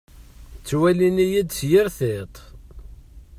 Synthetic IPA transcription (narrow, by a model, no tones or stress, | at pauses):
t͡sːwælinijid̪sjɪɾθet̪ˤ